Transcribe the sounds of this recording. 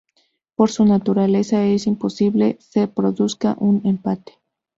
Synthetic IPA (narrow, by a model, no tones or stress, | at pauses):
poɾsunat̪uɾale̞saesimposiβlesepɾoðuska̰ʔunempat̪e̥